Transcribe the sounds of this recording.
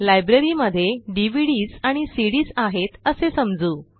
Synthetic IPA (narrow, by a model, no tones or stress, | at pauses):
lajbɾeɾiməd̪ʱːjeɖiʋiɽiːzaɽ̃isiɽiːsaɦet̪əsesəmd͡zuː